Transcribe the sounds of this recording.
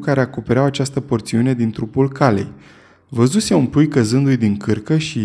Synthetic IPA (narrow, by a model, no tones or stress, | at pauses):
kaɾe̞akope̞ɾeawat͡ʃast̪əpo̞rt̪siune̞d̪int̪ɾupulkale̞̰j | vəzuse̞unpujkəzɨnd̪ujd̪iŋkɨrkəʃi